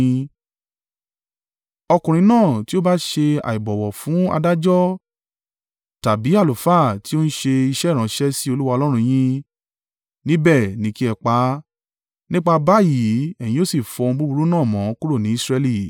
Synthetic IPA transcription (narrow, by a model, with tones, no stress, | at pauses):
ɔ˧kũ˨ɾ̃ĩ˧nãː˦˨ti˦o˦ba˦ʃe˧a̰˨i˨bɔ˨wɔ˨fũ˨˦a̰˧da˦d͡ʒɔ˦ | ta˨bi˨˦a˦˨lo˨fa˦˨ti˦o˦n̩˦ʃe˧i˧ʃɛ˦˨ɾã˨˦ʃɛ˦si˦o˧lu˦wa˧ɔ˧lɔ˦ɾ̃ũ˧j̃ĩ˦ | nĩ˦bɛ˦˨nĩ˨˦ki˦ɛ˧k͡pa˨˦ | nĩ˦k͡pa˧ba˦ji˨˦ɛ˨j̃ĩ˨˦o˦si˦˨fɔ̃˧bu˦bu˧ɾu˦nãː˦˨mɔ̃˨˦ku˦ɾo˦˨nĩ˨˦sɾɛ˧li˦˨